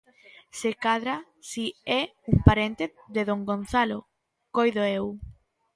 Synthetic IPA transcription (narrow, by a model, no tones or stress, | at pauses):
sekaðɾa | siɛuŋpaɾent̪eθðeðoŋɡonθalo | kojðoew